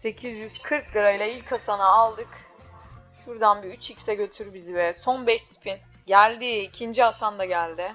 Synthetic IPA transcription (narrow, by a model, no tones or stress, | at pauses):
se̞cʰizjyz̥kʰɯɾk̚d̪ˠɯɾajlˠailʲcʰasanaːlˠd̪ɯk | ʃuɾd̪anbiyt͡ʃʰicsɛɟø̞t̪ʰyɾbizivɛso̞nbɛʃspʰin | ɟælʲd̪iːcʰind͡ʒiasand̪aɟælʲd̪ɪ